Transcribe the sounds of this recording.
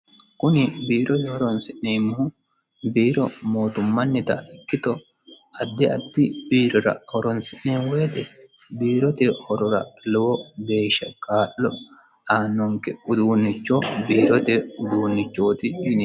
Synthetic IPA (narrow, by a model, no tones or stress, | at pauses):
kʊnɪbiːɾɔt̪ɪɔɾɔnsɪʔneːmʊhʊ | biːɾɔmo̞ːt̪ʊmːɐnːɪt̪ɐ̰ɪkːɪt̪ɔ | ɐd̪ːɛɐ̰d̪ːɪbiːɾɔɾɐ̰hɔɾɔnsɪnneːnweːt̪ɛ | biːɾɔt̪ɛhɔɾɔɾɐ̰lɛwɔbeːʃɐkʼaːʔːɔ | aːnːɔŋkɛʊd̪uːnːɪt͡ʃːobiːɾɔt̪ɛʊd̪uːnːɪt͡ʃːo̞ːt̪ɪn